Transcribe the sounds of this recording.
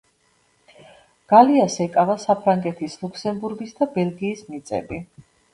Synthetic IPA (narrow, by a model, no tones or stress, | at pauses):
ɡ̥aliasɛkʼavasapʰɾaŋɡɛt̪ʰislˠuksɛmbuɾɡisd̪abɛlˠɡiːsmit̪sʼɛ̰bi